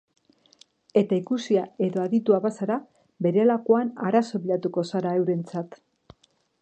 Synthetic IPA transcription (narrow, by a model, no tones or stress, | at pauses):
e̞t̪aikusiae̞ðo̞aðit̪uaβasaɾa | be̞ɾe̞lako̞anaɾaso̞βiʎat̪uko̞saɾae̞wɾe̞nt͡sat̪